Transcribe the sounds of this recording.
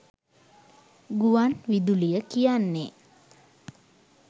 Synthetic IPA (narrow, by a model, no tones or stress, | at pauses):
ɡuanʋid̪ulijəkijanːe